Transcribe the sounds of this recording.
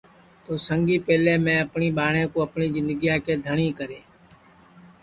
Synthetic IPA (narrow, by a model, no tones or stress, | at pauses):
t̪oːsəŋɡiːpeːlẽːmɛ̃ːəpɳiːɓaːɳẽːkoːəpɳiːzɪ̃nd̪əɡijãːkeːd̪ʱəɳĩːkəɾeː